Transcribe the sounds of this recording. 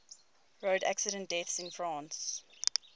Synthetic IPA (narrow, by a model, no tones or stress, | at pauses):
ɹoʊdæ̰ksɪɾə̃nt̚d̥ɛθsɪ̃nfɹɑ̃ːns